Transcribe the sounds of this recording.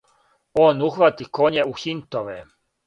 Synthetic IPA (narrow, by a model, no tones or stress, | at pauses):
onuxʋat̪ikoɲeuxint̪oʋɛ